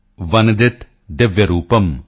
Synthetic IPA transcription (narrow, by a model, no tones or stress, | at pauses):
ʋɐnd̪ɪt̪ | d̪ɪʋjɐɾuːpəm